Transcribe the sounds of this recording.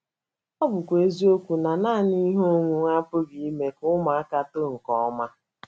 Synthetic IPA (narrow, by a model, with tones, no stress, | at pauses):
ɔ˦bʊ˨kʷe˦zi˦o˦kʷu˨na˨naː˦˨ni˦ɦo˦ŋʷu˨ŋa˦pʊ˦ɡi˦i˦me˨kʊ˦ma˨a˦ka˦to˦˨ŋ̩˨kɔ˨ɔ˦ma˦